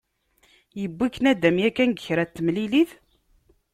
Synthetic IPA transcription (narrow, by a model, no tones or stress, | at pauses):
jəbːikːənæd̪æmjækːænɡəçɾæt̪ːəmliliθ